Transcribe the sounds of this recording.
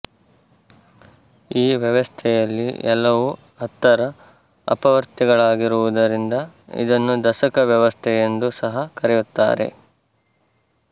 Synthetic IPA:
iːʋjɐʋɐst̪ʰɛjɐlːḭɛlːɐʋu | ɐt̪ːɐɾɐ | ɐ̰pɐʋɐɾt̪ɛɡɐɭaːɡiɾuʋud̪ɐɾind̪ɐḭd̪ɐnːud̪ɐʃɐkɐʋjɐʋɐst̪ʰɛjend̪usɐɦɐkɐɾɛjut̪ːa̰ːɾe̞̰

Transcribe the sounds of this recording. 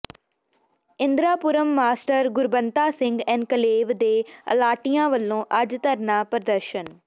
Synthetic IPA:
ɪ̃nd̪ɾaːpʊɾəmːaːsʈəɾɡʊɾbənt̪aːsɪ̃ŋɡɛ̃ːnkəleːʋd̪eːə̰laːʈijãːʋəlːõːʔəd͡ʒt̪əɾnaːpɾəd̪əɾʃən

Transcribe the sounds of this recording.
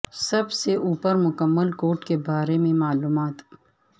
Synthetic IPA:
sɐbseʔuːpəɾmʊkəmːəlkoːɾʈkebaːɾemẽmaːluːmaːt̪

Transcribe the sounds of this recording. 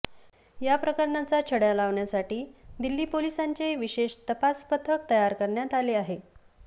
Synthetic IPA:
japɾəkəɾɳat͡sat͡ɕʰəɽjalaʋɳjasaʈiːd̪ilːiːpolisaɲt͡ɕeʋiɕeʂt̪əpaspət̪ʰək̚t̪əjaɾkəɾɳjat̪aleaɦe

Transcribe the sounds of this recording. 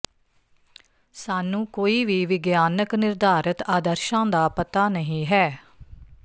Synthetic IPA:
saːnũːkoːiːʋiːʋɪɡjaːnəknɪɾd̪aːɾət̪aːd̪əɾʃãːd̪aːpət̪aːnəɦĩːɦɛː

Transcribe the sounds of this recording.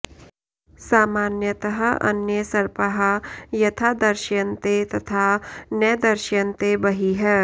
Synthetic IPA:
saːmaːnjət̪ɐɦə̆ɐ̰njəsɐɾpɐɦɐjɐt̪ʰaːd̪ɐɾʃjɐnt̪et̪ɐt̪ʰaːnɐjd̪ɐɾʃjɐ̃nt̪ebɐɦiɦɛː

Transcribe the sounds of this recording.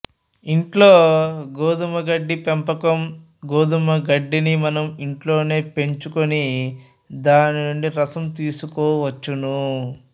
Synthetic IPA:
iɳʈloːɡoːd̪umɐɡɐɖːipempɐkɐm | ɡoːd̪umɐɡɐɖːinimɐnɐmiɳʈlo̞ːne̞ːpe̞ɲt͡ʃukoni | d̪aːninuɳɖiɾɐsɐmt̪iːsukɔːʋɐt͡ʃːunu

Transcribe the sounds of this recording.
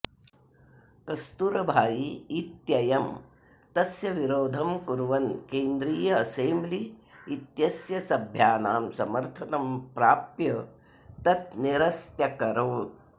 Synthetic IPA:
kɐst̪uɾɐbʱaːjiːt̪jɐjɐm | t̪ɐsjɐʋiɾoːd̪ʱɐmkuɾʋɐnkeːnd̪ɾiːjɐɐseːmbliit̪jɐsjɐsɐbʱjaːnaːmsɐmɐɾt̪ʰɐnɐmpɾaːpjɐ | t̪ɐt̪̚niɾɐst̪jɐkɐɾoːt̪

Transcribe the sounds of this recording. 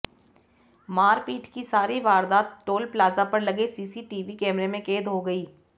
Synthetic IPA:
maːɾpiːʈkisaːɾiʋaːɾd̪aːt̪ʈoːlplaːzapɐɾlɐɡesiːsiʈiːʋikɛːmɾemẽkeːd̪ɦoɡɐiː

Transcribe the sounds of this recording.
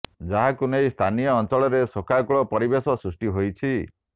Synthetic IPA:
d͡ʒaɦakunejst̪ʰanijɔːnt͡ʃɔɭɔɾesokʰakɔɭɔpɔɾibesɔsɾusʈiɦojt͡ʃʰi

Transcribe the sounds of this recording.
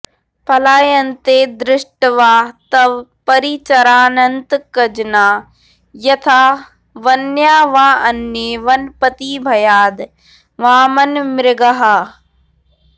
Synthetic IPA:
pʰɐlaːjənɪ̆t̪eːd̪ɾɪʂʈʋaːt̪ɐʋpɐɾiːt͡ɕɐɾaːnɐnt̪kɐd͡ʑnaː | jɐt̪ʰaː | ʋɐnjaːʋaːɐnːeːʋɐnpɐt̪iːbʱɐjaːd̪ | ʋaːmɐnmɪɾɡaɦaː

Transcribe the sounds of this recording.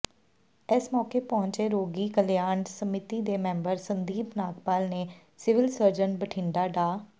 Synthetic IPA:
esmɔːkeːpɔːʊ̃ɲt͡ʃeːɾoːɡiːkəljaːɳsəmɪt̪iːd̪eːmɛ̃ːmbəɾsənd̪iːpnaːkpaːlneː | sɪʋɪlsəɾd͡ʒənbəʈʰɪ̃ɳɖ̪aːɖaː

